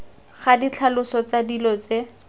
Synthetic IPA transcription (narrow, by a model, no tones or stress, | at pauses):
χadit͡ɬʰalʊsɔt͡sadilɔt͡se